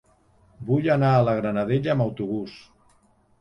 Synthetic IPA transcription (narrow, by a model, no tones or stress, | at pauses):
bujanaːləɣ̞ɾənaðeʎəːməwt̪uβ̞us